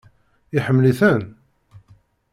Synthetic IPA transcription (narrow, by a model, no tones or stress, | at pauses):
ɪħəmːliθæn